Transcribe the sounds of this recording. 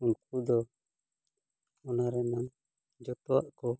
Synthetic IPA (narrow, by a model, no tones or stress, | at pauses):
uŋkud̪ɔ | ɔnaɾɛman | d͡ʒɔt̪ɔa̰ʔkɔ